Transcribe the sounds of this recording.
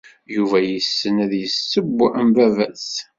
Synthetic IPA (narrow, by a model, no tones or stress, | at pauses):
juvæjəsːənæðjəsːəbːəmvævæs